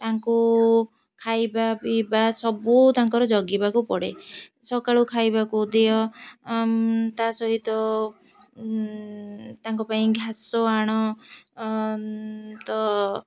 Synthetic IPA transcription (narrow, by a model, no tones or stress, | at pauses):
t̪aŋku | kʰajbabibasɔbut̪aŋkɔɾɔd͡ʒɔɡibakupɔɽesɔkaɭukʰajbakud̪ejɔ | t̪asɔɦit̪ɔ | t̪aŋkɔpaĩɡʱasɔaɽ̃ɔ | t̪ɔ